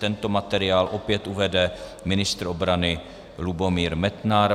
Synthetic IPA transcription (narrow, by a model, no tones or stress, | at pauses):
t̪ɛnt̪o̞mat̪ɛɾɪaːlʔo̞pjɛt̪ʔuvɛdɛmɪnɪst̪ɾobɾanɪ | lubo̞miːɾmɛt̪naɾ